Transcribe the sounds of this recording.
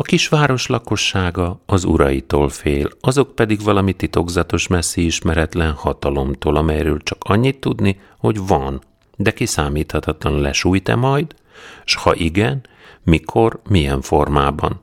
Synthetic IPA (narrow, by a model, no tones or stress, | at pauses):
ɒkiʃʋaːɾo̞ʃlɒko̞ʃːaːɡɒːzṵɾɒ̰jit̪oːlfeːlɒzo̞k̚pɛd̪iɡvɒlɒmit̪it̪o̞ɡzɒt̪o̞ʃmɛsːiiʃmɛɾɛt̪lɛnhɒt̪ɒlo̞mt̪oːlɒmɛjrøːlt͡ʃɒ̥kɒɲːit̪ːud̪ni | ho̞ɟvɒn | d̪ɛkisaːmiːt̪hɒt̪ɒt̪lɒnlɛ̰ʃuːjt̪ɛ̰mɒjd̪ | ʃhɒʔiɡɛn | mikʰo̞rmijɛɱfo̞rmaːbɒ̰n